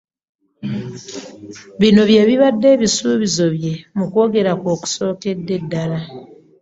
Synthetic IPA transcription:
βino̞βje̞ːβiβadːe̞ːβisuːβizo̞βje̞mukwo̞ːɡe̞ɾakoːku̥so̞ːke̞dːe̞dːala

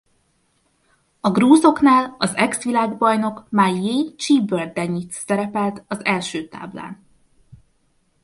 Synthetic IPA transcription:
ɒɡruːzo̞knaːlɒzɛksʋilaːɡbɒjno̞kmajeːt͡ʃiːbørd̪ɛɲːit̪sɛɾɛpɛlt̪ɒzɛlʃøːt̪a̰ːbla̰ːn

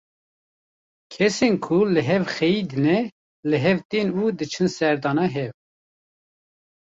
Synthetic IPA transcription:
kʰɛsenkʰulɨɦɛvxɛjid̪ɨnɛ | lɨɦɛvt̪enuːd̪ɨt͡ʃʰɨnsɛɾd̪ɑːnɑɦɛv

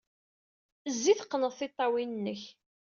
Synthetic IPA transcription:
əzːiθqːnəðˤθɪt̪ˤːɑwinnːəç

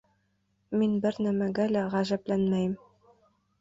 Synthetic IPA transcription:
minbɘɾnæmæɡælæʁæʒæblænmæjɘm

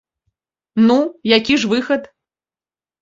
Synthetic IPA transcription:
nujakʲiʐvɨxɐt̪

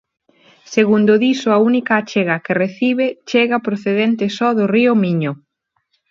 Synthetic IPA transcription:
seɣund̪ʊðisʊaunikaːt͡ʃeɣɐkereθiβet͡ʃeɣɐpɾoθeðent̪ɪsɔðʊriʊmiɲʊ

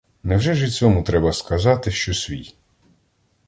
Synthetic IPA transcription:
nɛwʒɛʒɪt͡sʲɔmʊt̪ɾɛbɐskɐzɑt̪ɪʃt͡ʃɔsʲʋʲḭj

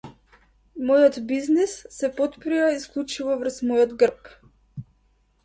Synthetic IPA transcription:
mɔjɔt̪biznisːɛpɔt̪pɾijaisklˠut͡ʃuvɔvr̩smɔjɔd̪ɡr̩p

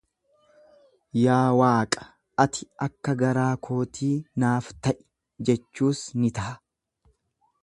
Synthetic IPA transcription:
jaːwaːkʼɐ̥ | ɐt̪ɪɐkːɐɡɐɾaːkʰo̞ːt̪ʰiːnaːft̪ɐʔɪ̥ | d͡ʒɛt͡ʃːuːsnɪt̪ɐʔɐ̥

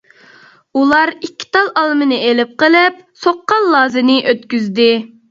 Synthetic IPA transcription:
ulˠɑɾikʲʰːi̥t̪ɑlˠʔɑlˠmɨnɨelɪp̚qəlˠɪp̚soqːɑlˠːɑːzɨnɨʔøt̪kʲyzd̪ɪ

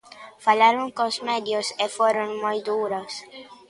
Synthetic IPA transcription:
falaɾoŋkõsmed̪josefoɾoŋmojd̪uɾos

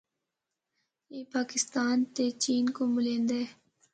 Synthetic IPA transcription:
jeːpaːkɪst̪aːnt̪et͡ʃiːnkomɪlẽːnd̪eː

